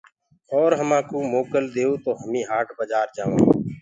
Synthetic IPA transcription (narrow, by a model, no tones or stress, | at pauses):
ɔːɾɦəmãːkoːmoːkəld̪eːoːt̪oːɦəmĩːɦaːʈbəd͡ʒaːɾd͡ʒaːʋã̰ː